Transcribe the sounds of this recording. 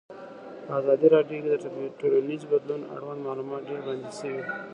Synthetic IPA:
pəɑzɑd̪iɾɑɖjoked̪əʈoɽonizbad̪luna̰ɽwand̪mɑlumɑt̪̚ɖeɾband̪iʃəwi

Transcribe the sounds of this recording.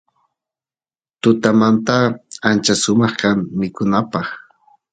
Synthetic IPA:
t̪ʊt̪amant̪aant͡ʃasʊmɑχkammɪkʊnapɑχ

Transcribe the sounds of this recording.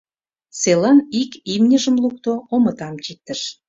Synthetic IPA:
selɑnikimnʲəʒə̆mluk̚t̪oomə̆t̪ɑmt͡ɕik̚t̪əʃ

